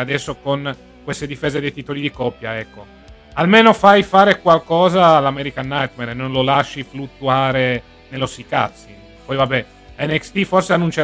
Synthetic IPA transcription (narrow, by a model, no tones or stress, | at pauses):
ad̪ɛsːokon | kwest̪ed̪ifeːzed̪ejt̪it̪olid̪ikɔpːjaɛkːo | almeːnofajfaːɾekwalkɔːzaːlamɛɾikanːajt̪meɾnonlolaʃːiflut̪ːuaːɾe | nelosika̰t̪sːi | pɔjvabːɛ | lɛnːɛkst̪iforseanːunt͡ʃe